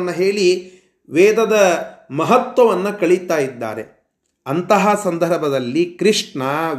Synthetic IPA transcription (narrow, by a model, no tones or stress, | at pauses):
nːɐɦeːɭi | ʋɛːd̪ɐd̪ɐmɐɦɐt̪ʋɐʋɐnːɐkɐɭit̪aːjid̪ːa̰ːɾe | ɐnt̪ɐɦɐsɐnd̪ʱɐɾbʱɐd̪ɐlːikɾiʂɳɐ